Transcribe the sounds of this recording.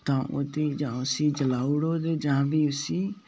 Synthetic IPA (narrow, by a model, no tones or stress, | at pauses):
t̪ãːʔo̰ːd̪iːd͡ʒãːʊsiːd͡ʒəlaːuɽoːd̪eːd͡ʒãːbiːʊsiː